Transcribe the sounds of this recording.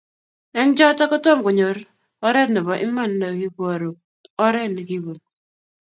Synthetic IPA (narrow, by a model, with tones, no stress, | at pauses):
ɛ˦n˦d͡ʒɔ˦ta˦kɔ˦tɔ˦mkʊ˨ɲo˨ɾ | ɔ˦ɾɛ˦dnɔ˨bɔ˨ʔɪ˦ma˦˨n˦na˨ki˦bo˦˨ɾo˨ | ɔ˦ɾɛ˦˨dni˨ki˦bu˨n